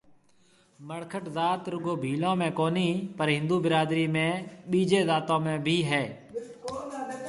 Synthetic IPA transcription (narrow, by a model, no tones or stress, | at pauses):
məɽkʰəʈzaːt̪ɾʊɡoːbʱiːlõːmẽːkoːniːpəɾɦɪ̃nd̪uːbɪɾaːd̪ɾiːmẽːɓiːd͡ʒeːzaːt̪õːmẽːbʱiːɦɛː